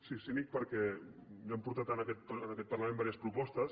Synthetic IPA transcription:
sisinik̚pəɾkɛjampuɾt̪at̪ənəkɛt̪̚pənɐkɛt̪̚pɐrləmẽmbaɾijəspɾupɔst̪əs

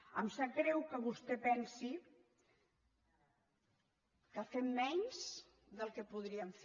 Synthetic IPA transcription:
əmsakɾɛwkəβust̪ɛpɛnsi | kafemmɛɲz | ðəlˠkəpuðɾiəɱf

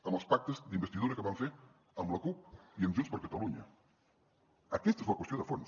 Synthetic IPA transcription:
əməlˠspak̚t̪əzd̪imbəst̪iðuɾəkəβaɱfe | əmləkup̚iəmʒunspəɾkət̪əluɲə̰ | əkɛst̪ezləkwəst̪ioðəfons

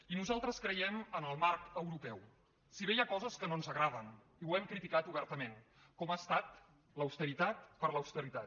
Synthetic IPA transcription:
inuzalˠt̪ɾəskɾəjɛmənəlˠmaɾkəwɾupɛw | siβejakɔzəskənonzəɣɾað̞ən | iwɛmkɾit̪ikat̪uβ̞ɛɾt̪əmen | kɔmast̪at̪ | ləwst̪əɾit̪at̪̚pəɾləwst̪əɾit̪at̪

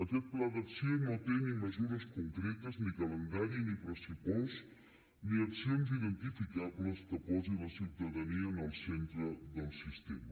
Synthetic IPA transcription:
əkɛt̪̚plaðəksionot̪eniməzuɾəskuŋkɾet̪əznikələnd̪aɾinipɾəsipoz | niəksionziðənt̪ifikabləskəpɔziləsiwt̪əðəniənəlˠsent̪ɾəðəlˠsist̪emə

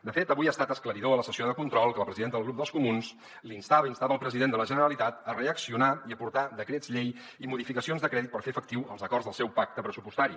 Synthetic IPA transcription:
d̪əfet̪əβujast̪at̪əskləɾiðoələsəsioðəkunt̪ɾɔlˠkələpɾəziðent̪əðlˠɣɾup̚d̪əlˠskumuns | linst̪aβəinst̪aβəlˠpɾəziðend̪ələʒənəɾəlit̪at̪əreəksiunaiəpuɾt̪aðəkɾez̥ʎej | imuðifikəsionzðəkɾɛðit̪pəɾfefək̚t̪iwəlˠzəkɔrzðəlˠsɛwpak̚t̪əpɾəsupust̪aɾi

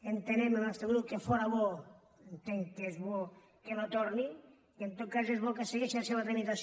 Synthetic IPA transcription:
ent̪enememest̪eɣɾukefoɾaβo | ent̪eŋkezβo | kenot̪oɾni | kent̪okasezβokaseɣiseaseβat̪ɾemit̪as

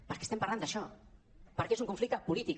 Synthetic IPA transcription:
pəɾkest̪empaɾland̪aʃɔ | pəɾkeezuŋkũɱflik̚t̪apulit̪ik

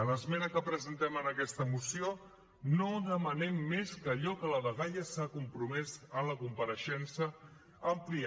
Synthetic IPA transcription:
ələzmɛnəkəpɾəzənt̪ɛmənəkɛst̪əmusio | noðəmənɛmːeskəʎɔkələβəɣaʎəsakumpɾumɛzənləkumpəɾəʃɛnsəː | mplia

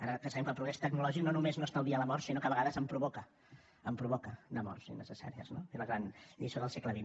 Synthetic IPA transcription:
aɾəkəsɛmkəlˠpɾuɣɾɛst̪əknulɔʒik̚nonumeznost̪aəlˠðiələmɔɾsinokəβəɣaðəzəmpɾuβɔkə | əmpɾuβɔkənəmɔ̰rsḭnə̰səsa̰ɾiə̰znofeləɣɾanʎisoðəlˠsekləβin

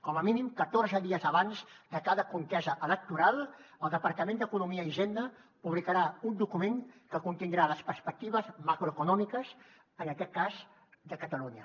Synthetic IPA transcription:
kɔməminimkət̪orzəðiəzəβanzd̪əkaðəkuŋk̪ɛzəʔələk̚t̪uɾalˠəlˠd̪əpəɾt̪əmend̪əkunumiəiʒɛnd̪ə | puβlikəɾaund̪ukumeŋkəkunt̪ind̪ɾaləspəɾspək̚t̪iβ̞əzmakɾuəkunɔmikəz | ənəkɛt̪̚kaz | d̪əkət̪əluɲə

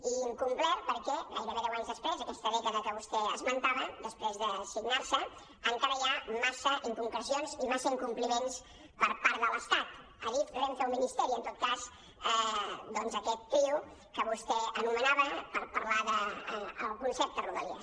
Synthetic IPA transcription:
iŋkumplɛpəɾkɛɣa̰jɾəβɛðɛwaɲzðəspɾezəkɛst̪əðɛkəðəkəβ̞ust̪ɛə̰zmənt̪aβəd̪əspɾezðəsiɡnaɾsə | əŋkaɾəjamasəʔiŋkuŋkləzionzimasəiŋkumplimens | pəɾpaɾðələst̪at̪ | əðit̪pzɛnt̪əlˠminist̪ɛɾiənt̪ot̪̚kaz | ɛd̪ɔnzəkɛt̪ːɾiw | kəβust̪ɛənumənaβəpəɾpəɾlaðəəlˠkunsɛp̚t̪əruðə̰liə̰

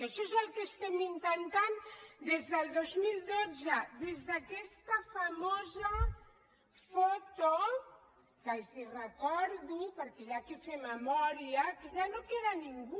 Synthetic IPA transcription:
aʃɔezalkest̪emint̪ant̪and̪ezðəlˠd̪ozmild̪od͡zəðezðakɛst̪afamoza | fot̪o | kalzirəkɔɾðupəɾkeʎakifeməmɔɾiakeʒanokeɾaniŋɡu

